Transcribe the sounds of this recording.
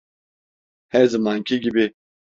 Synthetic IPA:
hɛzɨmaːŋkʲʰiɡʲibi

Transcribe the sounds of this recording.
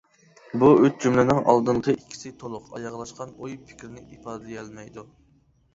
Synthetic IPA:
buøt̪̚d͡ʒumlɪnɪŋɑ̰lˠd̪ɨɴqʰəʔikʲʰːi̥sɪt̪ʰolˠʊqʰɑ̰jɑʁlˠɑʃqɑnojpʰɪ̥kʲɾɪnɪipʰɑːd̪ljɛlˠmɛjd̪u

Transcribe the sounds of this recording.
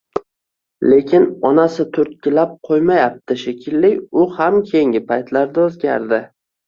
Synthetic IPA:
le̞kʲɪnɒnasɪt̪ʰʊɾt̪̚kʲɪlap̚qʰojmajap̚t̪ɪʃekʲʰɪlːɪjʲʊhamkʲʰe̞jŋɡʲɪpʰajt̪ʰlaɾd̪aɵzɡʲa̰ɾd̪ɪ

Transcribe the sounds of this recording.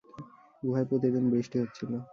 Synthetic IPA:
bubʱajpɾot̪ed̪onbɾiʃʈiɦotːɕʰilo

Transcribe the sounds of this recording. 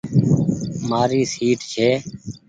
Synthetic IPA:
maːɾiːsiːʈt͡ʃʰeː

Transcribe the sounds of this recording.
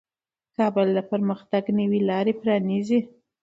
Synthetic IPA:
kɑbəld̪apəɾməxt̪aɡnəwilɑɾepɾɑnizi

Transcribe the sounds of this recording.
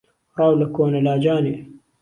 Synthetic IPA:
ɾˤɑːwlɐkoːnɐlaːd͡ʒaːne

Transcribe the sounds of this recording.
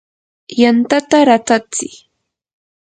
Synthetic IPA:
jant̪at̪aɾat̪at͡sɪ̰

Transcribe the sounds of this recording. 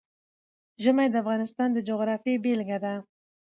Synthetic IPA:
ʒəmajd̪əafɣɑnɪst̪ɑnd̪əd͡ʒoɣɾɑfebelɡad̪a

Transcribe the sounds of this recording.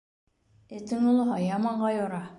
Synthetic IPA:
et̪ɘ̆ŋolˠɤ̆ɦɑjɑmɑɴɢɑjoɾɑ

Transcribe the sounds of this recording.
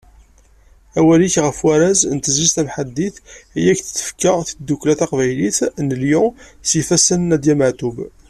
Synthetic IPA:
æwæliçʁəfwæɾæznt̪əzizt̪æmħad̪ːiθijækθə̥t͡sːə̥fkəθəd̪ːukːlæθɑqvæjliθnəljʊsifæsənːæd̪jæməʕt̪ub

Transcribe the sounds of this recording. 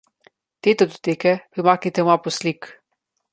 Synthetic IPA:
t̪eːt̪ɛd̪ot̪eːkɛpɾimaːknit̪ɛmapɔslik

